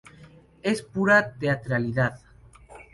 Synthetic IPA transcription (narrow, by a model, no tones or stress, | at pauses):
espuɾat̪eat̪ɾaliðað